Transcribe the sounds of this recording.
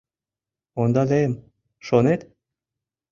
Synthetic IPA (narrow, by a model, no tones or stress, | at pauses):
ond̪ɑlejm | ʃonet̪